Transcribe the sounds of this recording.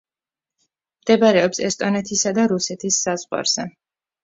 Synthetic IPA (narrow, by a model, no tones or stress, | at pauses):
md̪ɛbaɾɛɔpsɛst̪ʼɔnɛt̪ʰisad̪aɾusɛt̪ʰisːazʁwa̰ɾz̥ɛ